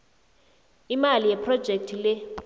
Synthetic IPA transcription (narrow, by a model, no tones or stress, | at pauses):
imalijɛpʰrɔd̥ʒ̥ʱek̚tʰilɛ